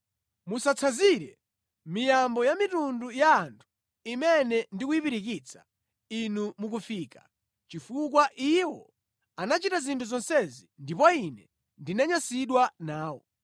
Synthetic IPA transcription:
musat͡sʰaziɾɛ | mijambɔjamitundujaːntʰu̥ | imɛnɛndikujipiɾik̬it͡sʰḁ | inumuk̬ufiːka | t͡ʃifuk̬waʔiwɔ | anat͡ʃitazintʰuzɔnsɛzindipɔinɛ | ndinaɲasiɗwanaːwɔ̰

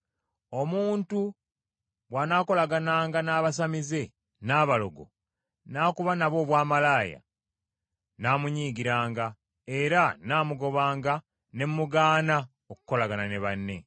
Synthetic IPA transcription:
o̞muːntu | βwanaːko̞laɡanaːŋɡanaːβas̬amize̞ | naːβalo̞̰ɡo̞̰ | naːkuβanaβo̞ːβwaːmalaːja̰ | naːmuɲiːɡiɾaːŋɡa | e̞ɾanaːmuɡo̞βaːŋɡa | ne̞mːuɡaːna | oku̥ko̞laɡanane̞βanːe̞̰

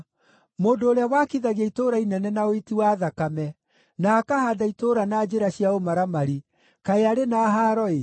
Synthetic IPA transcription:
moːndoːɾeawakiðaɣiaitoɾainɛnɛnaoitiwaːðakamɛ | naːkahadaitoɾanad͡ʑeɾaɕijaomaɾamaɾi | kaeaɾenaːɦaɾɔe

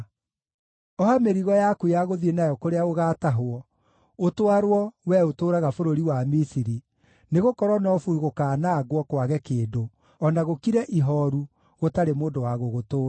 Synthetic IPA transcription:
ɔhameɾiɣɔjakujaɣoðienajɔkoɾeaoɣaːtaɦoɔ | otwaɾwɔwɛotoːɾaɣafoɾoɾiwamisiɾi | neɣokɔɾwɔnɔfuuɣokaːnaɡwɔkwaɣɛkeːdo | ɔnaɣokiɾɛʔiɦɔɾu | ɣotaɾemoːndowaɣoɣotoː

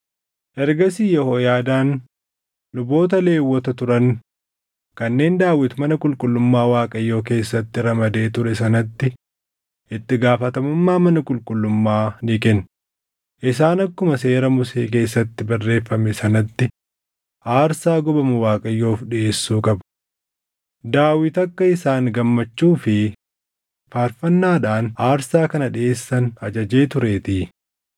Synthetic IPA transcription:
ʔɛɾɡɐsiːjɛhoːjaːd̪aːn | lʊbo̞ːt̪ɐle̞ːwːɔt̪ɐt̪ʊɾɐn | kɐnːe̞ːnd̪aːwːɪt̪mɐnɐkʼʊlkʼʊlːʊmːaːwaːkʼɐjːo̞ːk̬e̞ːsːɐt̪ːɪɾɐmɐd̪e̞ːt̪ʊɾɛsɐnɐt̪ːɪ | ʔɪt̪ːɪɡaːfɐt̪ɐmʊmːaːmɐnɐkʼʊlkʼʊlːʊmːaːnɪkɛn | ʔɪsaːnɐkːʊmɐse̞ːɾɐmʊsḛːk̬e̞ːs̬ːɐt̪ːɪbɐrːe̞ːfːɐmɛsɐnɐt̪ːɪ | aːɾsaːɡɔbɐmʊwaːkʼɐjːo̞ːfᶑɪʔeːsːuːkʼɐb | d̪aːwɪt̪ɐkːɐɪsaːŋɡɐmːɐt͡ʃːuːfɪ | faːɾfɐnːaːᶑaːnaːɾsaːkɐnɐᶑɪe̞ːsːɐnɐd͡ʒɐd͡ʒe̞ːt̪ʊɾe̞ːt̪iː

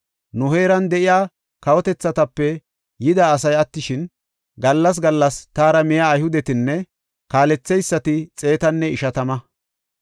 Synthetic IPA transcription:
nʊɦe̞ːɾɐnd̪ɛʔɪjaː | kɐwɔt̪ɛt͡sːɐt̪ɐpːɛ | jɪd̪aːs̬ɐjɐt̪ːɪʃɪn | ɡɐlːɐs̬ɡɐlːɐst̪aːɾɐmɪjaːjhʊd̪ɛt̪ɪnːɛ | kaːlɛt͡sːɛjsːɐt̪ɪt͡sʼe̞ːt̪ɐnːɛɪʃɐt̪ɐmɐ

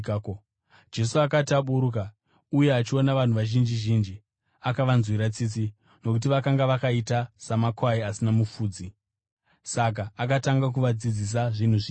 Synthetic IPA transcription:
d͡ʒe̞suakatiaɓuɾuk̬a | uje̞at͡ʃio̞naʋan̤uʋaʒind͡ʒiʒiːnd͡ʒi | akaʋanzwiɾat͡sit͡si | no̞kut̬iʋakaŋɡaʋakaitasamakwaiasinamufuːd͡zi | sak̬aːkataŋɡak̬uʋad͡zid͡zis̬aʐin̤uʐi

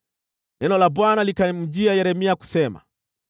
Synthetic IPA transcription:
nɛnɔlabwanalikam̩d͡ʒiajɛɾɛmiaku̥sɛma̰

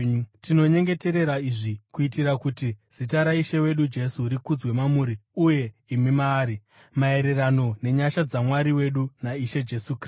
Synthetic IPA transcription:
tino̞ɲe̞ŋɡe̞te̞ɾe̞ɾaiʐikuitiɾakutiz̥itaɾaiʃewe̞ɗud͡ʒe̞suɾikud͡zwe̞mamuɾiuje̞ | imimaːɾi | mae̞ɾe̞rano̞ne̞ɲaʃad͡zamwaɾiwe̞ɗunaiʃe̞d͡ʒe̞sukr

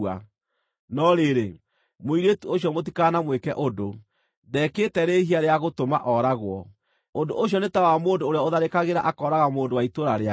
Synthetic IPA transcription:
a | nɔɾeɾe | moiɾetuoɕjɔmot̬ikanamwekɛ̰ʔodo | ðɛːketɛɾeːhiaɾeaɣotomaʔɔːɾaɣwɔ | ondoʔoɕ̬jɔnetawamoːndoːɾeɔoðaɾekaɣeɾaʔakɔɾaɣamoːndowaitoɾaɾea

